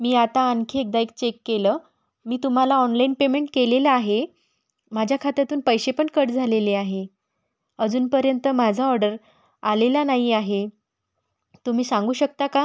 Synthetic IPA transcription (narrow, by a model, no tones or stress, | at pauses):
miːat̪aːŋkʰeek̚d̪aek̚t͡ɕekːelə | miːt̪um̤alaɔnlainpemeɳʈkeleləaɦe | m̤ad͡ʑʱjakʰat̪at̪uːnpəjɕepəɳkəɽd͡zʱaleleaɦe | əd͡zuːnpəɾjənt̪əm̤ad͡zʱaɔɾɖəɾ | alelanaɦiaɦe | t̪um̤iːsãŋɡuːɕək̚t̪aka